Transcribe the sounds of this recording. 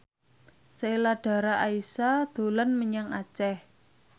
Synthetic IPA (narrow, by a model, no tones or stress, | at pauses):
seilaɖ̥a̤ɾaʔaisad̪̥o̤lənməɲaŋat͡ʃɛh